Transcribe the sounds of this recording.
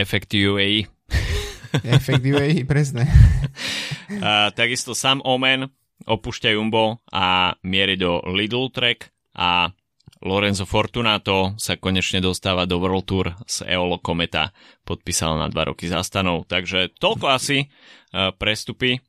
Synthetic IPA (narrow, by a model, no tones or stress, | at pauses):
ɛfɛkt̪iuɛi | ft̪ɛipɾɛsnɛ | t̪aɡist̪ɔsaːmʔɔmɛn | ɔpuːʃcajumbɔamɪɛɾɛd̪ɔlid̪l̩t̪ɾɛk | ʔa | lɔɾɛnzɔfɔɾt̪unaːt̪ɔsakɔɲɛt͡ʃɲɛd̪ɔst̪aːʋad̪ɔʋɾlt̪uɾz̥ɛ̰ɔlɔkɔmɛt̪a̰ | pɔt̪̚piːsa̰lna̰d̪ʋa̰ɾʔɔ̰kiza̰st̪anɔʊt̪aɡʒɛt̪ɔlkɔasi | pɾɛst̪upi